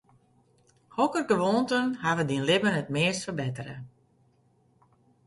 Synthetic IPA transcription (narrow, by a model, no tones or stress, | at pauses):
hɔkərɡəʋoːntənhaʋədinlɪbənət̚mɪəstfərbɪtərə̰